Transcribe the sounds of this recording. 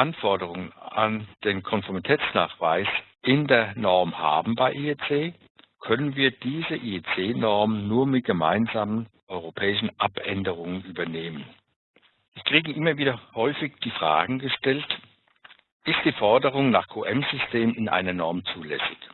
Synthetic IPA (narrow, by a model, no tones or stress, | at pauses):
ʔanfɔɐdəʁʊŋəna̰nd̥eːnkʰɔnfɔɐmitʰɛːt͡sna̰ːχv̥a̰ɪsʔɪndeːɐnɔɐmha̰ːbm̩baɪʔiet͡seː | kʰœnənviːɐd̥iːzəʔiːet͡seːnɔɐmənnuːɐmɪt̚ɡ̥əma̰ɪnzaːmənʔɔʏʁopʰɛːɪʃn̩ʔapʔɛndəʁ̞ʊŋənyːbɐneːmən | ɪkʁ̥iːɡəʔɪmɐviːdɐhɔʏfɪçd̥iːfʁ̥a̰ːɡŋ̩ɡəʃtɛlt | ʔɪst̚d̥iːfɔɐdəʁ̞ʊŋnaːχkʰoːʔɛmzʏstʰeːmɪnʔa̰ɪnɐnɔɐmt͡suːlɛ̰sɪç